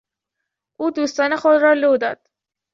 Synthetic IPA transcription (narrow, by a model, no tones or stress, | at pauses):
ʔuːd̪uːst̪ɒːne̞xod̪rɒːloːd̪ɒ̰ːd̪̥